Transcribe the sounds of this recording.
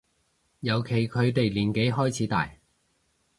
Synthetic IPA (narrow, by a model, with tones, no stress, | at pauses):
jɐ˨˧wkʰe˨˩jkʰɵ˨˧ɥt̪e˨jliː˨˩nke˨˥jɦɔː˥jt͡sʰiː˨˥t̪a̰ː˨j